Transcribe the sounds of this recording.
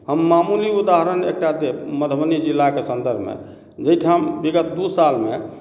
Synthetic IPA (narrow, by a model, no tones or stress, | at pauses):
həmːamuliud̪aɦəɾənek̚ʈad̪eməd̪ʱbənid͡ʒilːakesənd̪əɾbʱmḛ | d͡ʒəjʈʰambiɡət̪d̪usalme